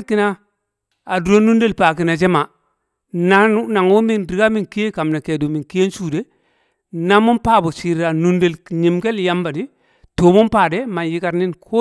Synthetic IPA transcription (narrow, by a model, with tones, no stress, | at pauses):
ki˦na˦ | a˨du˨ɾo˦nu˦nde˦lpa˨k̬i˨na˨d͡ʒe˦ma˨ | na˦na˨ŋo˦mi˦˨ndi˨ɡa˦mi˨nki˦e˦ka˨mna˨ke˨du˨mi˨nki˦e˦n˦su˦˨de˦ | na˦mu˦npa˦bo˨si˨ɾa˨nu˦nde˦lɲi˨mke˦lja˦mba˨di˦ | to˨mo˦npaː˨de˦ma˨nji˦ka˦ɾni˦nkʰo˦